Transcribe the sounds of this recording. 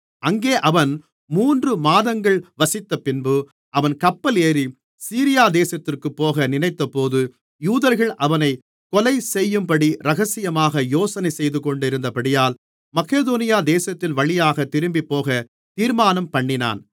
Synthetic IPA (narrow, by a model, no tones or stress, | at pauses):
ʔɐŋɡeːʔɐʋɐn | muːndrɯmaːðɐŋɡɐɭʋɐsɪt̪ːɐpɪnbɯ | ʔɐʋɐnkɐpːɐleːɾi | siːɾɪjaːd̪eːsɐt̪ːɪrkɯpːoːɣɐnɪnɐɪt̪ːɐpoːðɯ | juːðɐɾɣɐɭʔɐʋɐnɐɪ | kɔlɐɪsɛjːɯmpɐɽiɾɐɣɐsɪjɐmaːɣɐjoːsɐnɐɪsɛjðɯkɔɳɖɪɾɯnd̪ɐpɐɽɪjaːl | mɐkeːðoːnɪjaːd̪eːsɐt̪ːɪnʋɐɭɪjaːɣɐt̪ːɪɾɯmbipːoːɣɐ | t̪iːɾmaːnɐmpɐɳːɪna̰ːn